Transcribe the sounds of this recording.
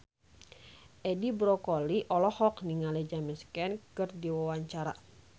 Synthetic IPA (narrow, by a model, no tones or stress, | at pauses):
ʔɛdibɾɔkɔliʔɔlɔhɔkniŋalɛd͡ʒamɛskɛnkɨrdiwawaɲt͡ʃaɾa